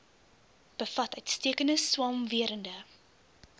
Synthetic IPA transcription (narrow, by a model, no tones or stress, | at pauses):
b̥əfɐtœɥtstiəkəndəswɑːmviəɾəndə